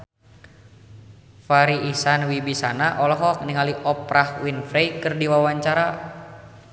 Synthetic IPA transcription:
faɾiisanwibisanaʔɔlɔɦɔk̚niŋaliʔɔpɾahwinfɾejkɨrdiwawaɲt͡ʃaɾa

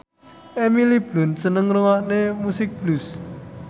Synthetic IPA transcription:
ʔemilib̥lʊnsənəŋruwaʔnemusɪk̚b̥lus

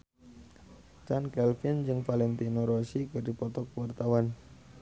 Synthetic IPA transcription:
t͡ʃankɛlfind͡ʒɨŋfalɛnt̪inoɾosikəɾipɔt̪ɔkwart̪awan

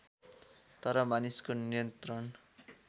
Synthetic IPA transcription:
t̪ʌɾʌmaniskonijʌnt̪rʌn

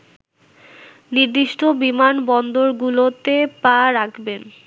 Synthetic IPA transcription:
niɾd̪iʃʈʰobimanbɔnd̪oɾɡulot̪epaɾakʰben

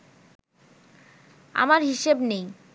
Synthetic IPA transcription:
a̰maɾɦiʃebnej

